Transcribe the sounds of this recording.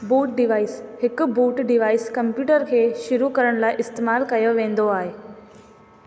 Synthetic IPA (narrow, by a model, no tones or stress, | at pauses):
buːʈ̚ɖɪʋaːɪshɪkʊbuːʈɖɪʋaːɪskɐmpjuːʈəɾkʰeːʃʊɾukɐɾəɽ̃laːɪʔɪst̪eːmaːlkɐjoʋẽːn̆d̪oaːɦeː